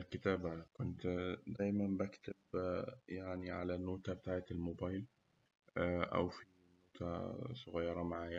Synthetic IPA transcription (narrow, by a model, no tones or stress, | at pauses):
lkɪt̪aːbakʊnt̪d̪æːjmæmbækt̪ɪbjaʕniʕalænoːt̪abɪt̪aːʕet̪ɪlmoːbajl | ʔæ̰wfinnoːt̪ʰæ̰sˤoɣɑjːɑɾˤɑmaʕaːja